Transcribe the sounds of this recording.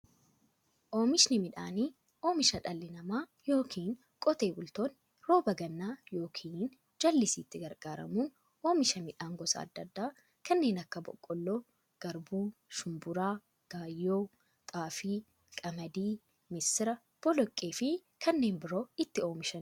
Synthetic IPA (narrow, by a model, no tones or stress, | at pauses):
ʔo̞ːmɪʃnɪmɪᶑa̰ːniː | ʔo̞ːmɪʃɐᶑɐlːɪnɐmaː | jo̞ːkʰiːn | kʼɔt̪e̞ːbʊlt̪o̞ːn | ɾo̞ːbɐɡɐnːaːjo̞ːkʰiːn | d͡ʒɐlːɪsiːt̪ːɪɡɐɾɡ̥aːɾɐ̰muːn | o̞ːmɪʃɐmɪᶑaːŋɡɔsɐ̰ɐ̰d̪ːɐd̪ːaː | kɐnːe̞ːnɐkːɐbɔ̰kʼːɔlːoː | ɡ̥ɐɾbuːʃʊmbʊɾaː | ɡ̥aːjːoː | k̪ʼaːfiː | kʼɐmɐd̪iː | mɪsɪɾɐ | b̥ɔlɔkʼːeːfɪ | kʰɐnːe̞ːnbɪɾo̞ːɪt̪ːɪo̞ːmɪʃɐn